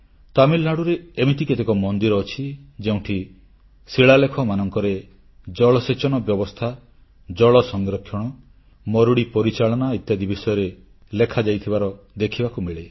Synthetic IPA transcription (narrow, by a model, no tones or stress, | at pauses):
t̪amilnaɽuɾeːmiʈiket̪ekɔmɔnd̪iɾɔːt͡ʃʰid͡ʒeũʈʰi | siɭalekʰɔmanɔŋkɔɾe | d͡ʒɔɭɔset͡ʃɔnɔbjɔbɔst̪ʰa | d͡ʒɔɭɔsɔŋɡɾɔkʰːjɔɽ̃ɔ | mɔɾuɽipɔɾit͡ʃaɭɔnait̪jad̪ibisɔjɔɾe | lekʰad͡ʒajt̪ʰibaɾɔ | d̪ekʰibakumiɭe